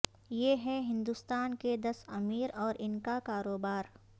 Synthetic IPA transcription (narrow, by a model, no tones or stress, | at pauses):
jeːɦɛɦɪ̃nd̪ust̪aːnked̪ɐsɐmiːɾɔːɾɪnkakaːɾoːbaːɾ